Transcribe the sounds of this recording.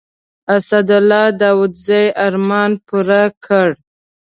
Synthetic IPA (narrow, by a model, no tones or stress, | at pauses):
asad̪ʊlɑd̪ɑwʊd̪zajʔaɾmɑnpuɾakʰəɽ